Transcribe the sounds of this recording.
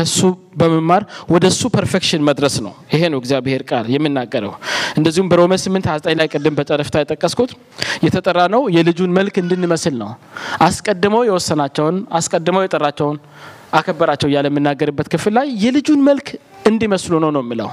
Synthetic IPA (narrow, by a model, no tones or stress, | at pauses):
əsːu | bəməmːaɾwɔd̪əsːupʰəɾfekʃɪnməd̪ɾəsnə̰wɪhenəwɛɡzijabhe̞ɾkʼaljɛmːɨnːaɡːəɾə̰wʔɨnd̪əzːihumbəɾoməsɨmːɨnt̪azt̪ʼaɲlajkʼɨd̪ːɨmbət͡ʃʼəɾəft̪ʰajɛt̪ʼəkʼːəskʰut̪ | jɛt̪ʰət̪ʼəɾːanəwjɛlɨd͡ʒunməlkɨnd̪ɨnːɨməslnə̰wʔaskʼəd̪ːɨməwjɛwɔsːənat͡ʃːɛwnaskʼəd̪ːɨməwjɛt̪ʼərːat͡ʃːɛwn | ʔakʰəbːəɾat͡ʃːɛwjaləmːɨnːaɡəɾɨbːət̪kʰɨfɨlːajːɛlɨd͡ʒunməlkʰ | ɨnd̪iməslunəwnəwjɛmːɨlə̰w